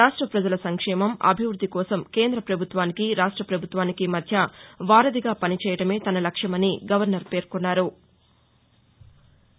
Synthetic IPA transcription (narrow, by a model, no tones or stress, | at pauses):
ɾaːʂʈɾɐpɾɐd͡ʒɐlɐsɐŋkʂɛːmɐmɐ̰bʱiʋɾud̪ʱːikɔːsɐmke̞ːnd̪ɾɐpɾɐbʱut̪ʋaːnikiɾaːʂʈɾɐpɾɐbʱut̪ʋaːnikimɐd̪ʱjɐʋaːɾɐd̪iɡaːpɐnit͡ʃɛːjɐʈɐme̞ːt̪ɐnɐlɐkʂjɐmɐniɡɐʋɐɾnɐɾpe̞ːɾkunːaːɾu